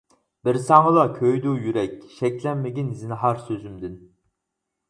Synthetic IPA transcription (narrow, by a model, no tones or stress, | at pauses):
b̥iɾsɑŋɨlˠɑkʲʰøjd̪uːjyɾɛkʲʃɛkʲlɛnmeɡʲinizinɪɦɑɾsøzymd̪ɪn